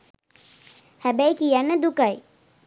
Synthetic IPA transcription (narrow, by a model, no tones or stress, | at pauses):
hæbæjkijænːəd̪ukaj